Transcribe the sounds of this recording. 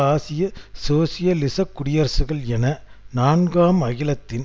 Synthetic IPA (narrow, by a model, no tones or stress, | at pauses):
aːsɪjɐsoːsɪjɐlɪsɐkːʊɽɪjɐɾsɯɣɐɭɛnɐnaːnɡaːmɐɣɪlɐt̪ːɪn